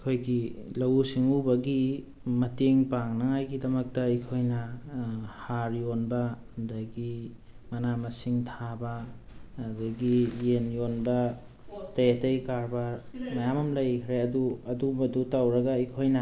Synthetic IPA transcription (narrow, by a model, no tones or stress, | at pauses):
ikʰojɡilɐwusiŋubɐɡi | mɐteŋpaŋnɐŋajɡidɐmɐk̚tɐikʰojnɐ | haɾjonbɐ | daɡi | mɐnamɐsiŋtʰabɐ | daɡijenjonbɐ | tɐjetɐjkaɾbɐmɐjamɐmlɐjkʰɾeɐduɐdumɐdutawɾɐɡɐikʰojnɐ